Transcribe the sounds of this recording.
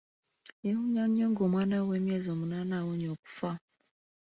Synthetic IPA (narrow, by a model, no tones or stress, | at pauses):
ehuɲaɲoŋɡoːmwaːnawemjeːzoːmunaːnawoɲoːku̥fa